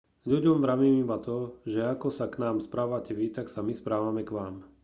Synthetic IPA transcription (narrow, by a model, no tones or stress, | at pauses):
ʎuɟɔmʋɾaʋimimat̪ɔʒɛakɔsaknaːmspɾaːʋacɛʋit̪aksamispɾaːʋamɛkʋaːm